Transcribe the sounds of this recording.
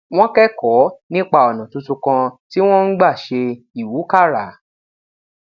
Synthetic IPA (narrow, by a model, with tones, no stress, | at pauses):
w̃ɔ̃˦kɛ˦kɔ˨˦nĩ˦k͡pa˦˨ɔ˨nã˨tu˧tu˧kã˧ti˦w̃ɔ̃˦n̩˦ɡ͡ba˦˨ʃe˧ | i˨wu˨˦ka˦˨ɾa˨